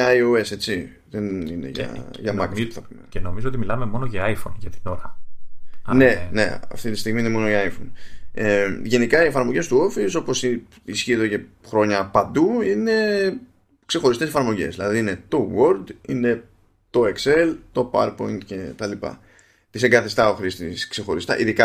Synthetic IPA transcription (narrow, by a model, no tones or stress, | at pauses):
joe̞se̞t͡si | ðeninḛʝɐ̰ʝɐmɐkiθɐpumḛceno̞mizoot̪imilɐmemo̞noʝɐajfonʝɐt̪i̥no̞ɾɐ | ne̞ne̞̰ɐ̰ft̪it̪i̥st̪iɣmine̞mo̞no̞iajfoneʝe̞nikɐiefɐɾmo̞ʝe̞st̪uo̞fiso̞po̞si | isçiet̪ce̞xɾo̞ɲɐpɐnd̪uine̞ | kse̞xo̞ɾist̪ese̞fɐɾmo̞ʝe̞̰zðilɐðiine̞t̪o̞wold̪ine̞ | t̪o̞e̞kse̞lt̪o̞pɐ̰ɾpo̞ind̪ce̞t̪ɐlipɐ̰ | t̪iseŋɡɐθist̪ɐo̞xɾist̪iskse̞xo̞ɾist̪ɐ̰ʔiðikɐ